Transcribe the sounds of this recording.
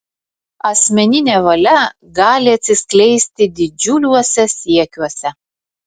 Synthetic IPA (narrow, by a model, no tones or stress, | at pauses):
ɐsʲmʲɛnʲɪnʲeːʋɐlʲɛ | ɡɑːlʲɪɐt̪ʲsʲɪsʲklʲɛɪsʲt̪ʲɪd̪ʲɪd͡ʒʲʊlʲuɔsʲɛsʲiɛkʲuɔsʲɛ